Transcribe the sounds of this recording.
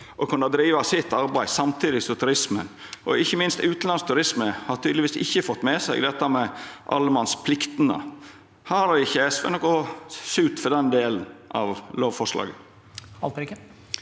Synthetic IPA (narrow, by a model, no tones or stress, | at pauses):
ʔɔkʰʉnːəd̪ɾiːʋɑsɪt̪ːɑɾbæɪsɑmt̪ʰiːd̪ɪsɔt̪ʰʉɾɪsmə̰n | ʔɔɪçːəmɪnst̪ʉːt̪n̩lɑnst̪ʰʉɾɪsməhɑɾt̪ʰyːd̪lɪʋiːsɪ̰çːəfɔt̪ːmɛsæɪɡd̪ɛt̪ːəmɛʔɑ̰lːəmɑnspʰlɪkt̪ənə̰ | hɑːɾɪçːəɛsʋɛ̰nɔkʊsʉːt̪fɔd̪ɛnd̪eːlən̩ɑ̰ʋloːʋfɔʂlɑ̰ːɡə | ɑlt̪ɾkə